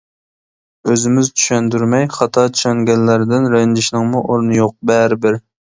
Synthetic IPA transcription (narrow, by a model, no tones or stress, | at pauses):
øzɪmɪzt͡ʃʰy̥ʃɛnd̪yɾmɛjχɑt̪ʰɑt͡ʃʰy̥ʃɛŋɡʲɛnːæɾd̪ɪnɾɛnd͡ʒɪʃnɨŋmuʔoɾnɨjoq̚bɛɾɪbɪɾ